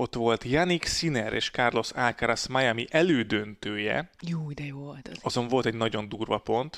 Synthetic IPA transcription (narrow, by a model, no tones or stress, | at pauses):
o̞t̪ʋo̞lt̪jɒniksinɛɾḛːʃkarlo̞salkaɾɒsmajamiʔɛløːd̪ønt̪øːjɛ̰joːd̪ɛjot̪ɒzo̞ɱvo̞lt̪ɛɟnɒɟo̞nd̪uːrvɒpo̞nt̪